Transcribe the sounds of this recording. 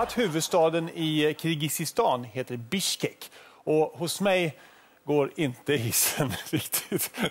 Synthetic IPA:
at̪hʉːvɵd̪st̪ɑːd̪ənɪkʰɾɪɡɪsɪst̪ɑːnheːt̪əɾbɪʃkɛkɔhʊsmɛj | ɡoːɾɪnt̪əɪsənɾɪkt̪ʰɪ̥t̪

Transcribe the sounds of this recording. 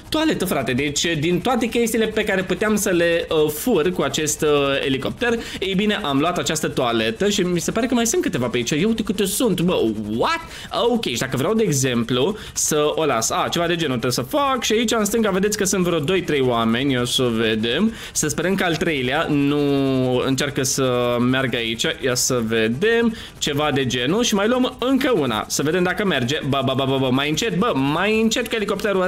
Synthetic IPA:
t̪uale̞t̪əfɾat̪e̞d̪e̞t͡ʃʲd̪int̪oat̪e̞kʲe̞st̪iːle̞pe̞kaɾe̞put̪eamsəle̞əfurkuat͡ʃe̞st̪ḛliko̞p̚t̪erejbine̞ʔamloat̪at͡ʃast̪ət̪uale̞t̪əʃimise̞paɾe̞kəmajsɨnt̪kɨt̪e̞vapeit͡ʃejewt̪ekɨt̪esunt̪bəwat̪ | əokʲejʃid̪akəvɾeawd̪e̞ːɡze̞mplu | səo̞la̰sat͡ʃe̞vad̪e̞d͡ʒe̞not̪esəfakʃiait͡ʃams̬t̪ɨŋɡave̞d̪etsʲkəsɨnt̪vɾod̪o̞jt̪ɾejwame̞nʲjosəve̞d̪e̞m | səspe̞ɾəmkəalt̪ɾe̞jleanuɨ̰nt͡ʃarkəsəmearɡəait͡ʃʲajasəve̞d̪e̞m | t͡ʃe̞vad̪e̞d͡ʒe̞nuʃimajluəmɨŋkəuna̰səved̪e̞md̪akəme̞rd͡ʒe̞bəbəbəbəbəmajɨnt͡ʃe̞t̪̚bəmajɨnt͡ʃe̞t̪keliko̞p̚t̪eɾu

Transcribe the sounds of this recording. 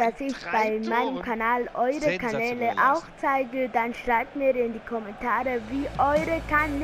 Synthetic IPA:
d̥asɪçb̥aɪmaɪnəmkʰanaːlʔɔʏʁəkʰanɛːləʔaʊxt͡saɪɡədanʃʁ̥aɪb̚tmiːɪndikʰɔmɛntʰaːʁəviːʔɔʏʁəkʰan

